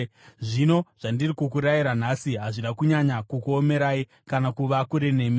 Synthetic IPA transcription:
ʐino̞ʐ̥andirikukuɾajiɾanasiɦaʐiɗakuɲaɲakukuome̞ɾai | kanakuʋakuɾe̞ne̞ːmii

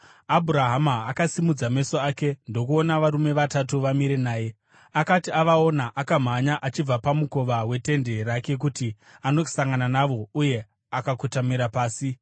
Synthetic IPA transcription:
abʱuɾaɦamaːkasimud͡zame̞soaːke̞ndo̞kuo̞naʋaɾume̞ʋatatuʋamiɾe̞naːje̞ | akatiaʋao̞naʔakam̤aɲaʔat͡ʃib͡vapamuko̞ʋawe̞te̞nde̞rake̞k̬uti | ano̞saŋɡananaʋo̞uje̞ | akakutamiɾapaːsi

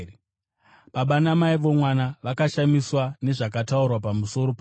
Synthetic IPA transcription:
paɓanamaiʋo̞mwanaʋakaʃamiswane̞ʐakataurwapamuso̞ɾo̞pa

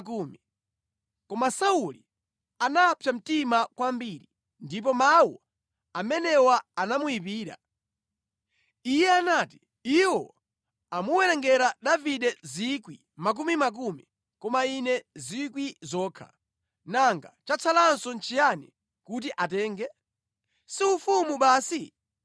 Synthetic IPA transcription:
kuːmi | kɔmasauli | anapʰjam̩timakwambiɾi | ndip̬ɔmawɔ | amɛnɛwaanamuip̬iːɾa̰ | ijɛanaːti̥ | iwɔ̰ | amuwɛɾɛŋɡɛɾaɗaviɗɛzikwi | mak̬umimak̬umi | kɔmainɛzikwizɔːkʰa̰ | naŋɡat͡ʃat͡sʰalansɔnt͡ʃʰijanḭ | kut̬iʔatɛːŋɡɛ | siufumuɓaːsi

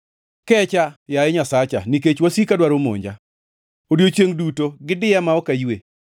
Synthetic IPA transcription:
kɛt͡ʃajaɛɲasat͡ʃa̰niket͡ʃwasikadwaɾomo̰ɲd͡ʒa̰ | odjot͡ʃeŋdutoɡɪdɪjamaɔkajwe

